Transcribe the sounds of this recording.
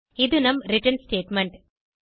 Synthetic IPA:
id̪unɐmɾiʈɐnsʈeːʈmeɳʈ

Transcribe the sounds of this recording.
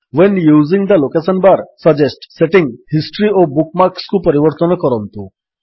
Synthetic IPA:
ʋɛnjuːzĩŋɡd̪əlokesənbaɾsəd͡ʑesʈseʈĩŋɡhisʈɾiɔbuk̚maɾkskũpəɾiʋəɾt̪ənkəɾənt̪u

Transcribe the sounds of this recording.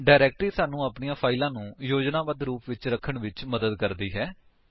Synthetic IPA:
ɖaːɾɛːk̚ʈɾiːsaːnũːaːpniːãːpʰaːɪlãːnũːjoːd͡ʒnãːʋəd̪ɾuːpʋɪt͡ʃɾəkʰːəɳʋɪt͡ʃməd̪əd̪kəɾd̪iːɦɛː

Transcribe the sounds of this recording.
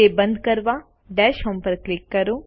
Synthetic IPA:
ebɐ̃nd̪kɐɾʋa | ɖɛːʃɦɐmpəɾklɪkːɐɾo

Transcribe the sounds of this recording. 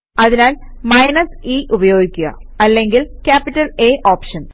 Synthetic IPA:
ɐðinaːlmɐjnɐsiːʔubɐjo̞ːɡikʲːuɣɐ̰ɐlːe̞ŋɡilkʲaːpːitːɐleːʔoːpʂɐn

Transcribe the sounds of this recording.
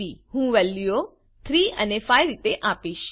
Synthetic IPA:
ihũʋəlːjo | t̪ʰɾiənefajɾit̪eʔapiʃ

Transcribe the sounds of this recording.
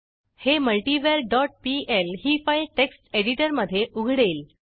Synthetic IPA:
heməlʈiʋeɾɖɔʈ̚pielɦiːfajlʈeksʈeɽiʈəɾməd̪ʱːjeʔuɡʱɽel

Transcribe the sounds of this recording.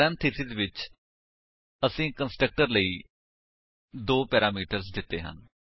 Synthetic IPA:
ɛnt̪ʰisid̪ʋɪt͡ʃ | əsĩːkənsʈɾək̚ʈəɾləiː | d̪oːpɛːɾaːmiːʈəɾsd̪ɪt̪ːeːɦə̰n

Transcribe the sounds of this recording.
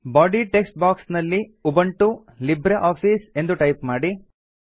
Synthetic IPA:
baːɖiʈeksʈ̚baːksnɐlːiubɐɳʈu | libɾeʔaːpʰiːse̞nd̪uʈɐjpmaːɽi

